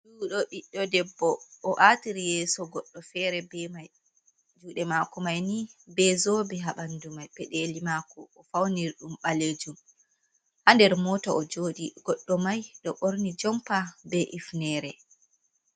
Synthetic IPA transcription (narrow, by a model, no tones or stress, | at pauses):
ɗuːɗɔɓiɗɔdɛbːɔʔːʔatiɾijɛːsɔɡɔɗːɔfɛɾɛbɛmaj | d͡ʒuːɗɛmakɔmajnibɛzoːbɛɦaɓandumajpɛɗelimaːkɔʔːfawniɾɗumɓaleːd͡ʒum | ʔandɛɾmɔtɔʔɔd͡ʒoːɗiɡ̥ɔɗːɔmajɗɔɓoɾnid͡ʒɔmpabɛʔifnɛɾɛ